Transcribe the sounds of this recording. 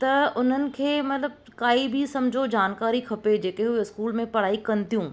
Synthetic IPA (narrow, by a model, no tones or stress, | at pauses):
t̪ɐʊn̤ənɪ̆kʰeːmɐt̪ləb̚ | kaːibʱisɐmd͡ʒʱod͡ʑaːnkaːɾikʰɐped͡ʑeːkeɦueɪskuːlmẽpɐɽ̤aːikɐnt̪ijũː